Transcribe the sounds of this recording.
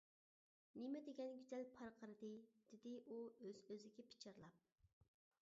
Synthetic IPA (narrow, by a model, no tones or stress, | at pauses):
nɪmɛd̪eɡʲɛnɡʲyzɛlpʰɑɾqʰəɾɨd̪ɨd̪̥ɪd̪ɪʔuøzøzɪɡʲɛpʰi̥t͡ʃʰɑɾlˠɑp̚